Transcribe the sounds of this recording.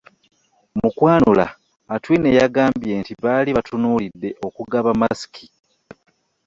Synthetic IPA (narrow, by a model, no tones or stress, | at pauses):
mukwaːnula̰ː | twiːnejaɡaːmbje̞ntiβaːliβatʰunuːlidːe̞ʔo̞kuɡaβamasi̥kʰi